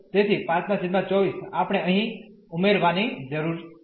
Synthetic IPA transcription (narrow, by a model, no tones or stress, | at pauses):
t̪et̪ʰipãt͡ʃmãsiʈmãt͡ʃɔʋisapɽ̃eʔəɦĩ | ʊmeɾʋanid͡ʒəɾuɾ